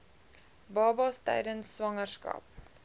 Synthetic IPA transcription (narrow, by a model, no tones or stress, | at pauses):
bɑːbɑstɛ̰jdənsːvɐŋərskɑ̰ːp̚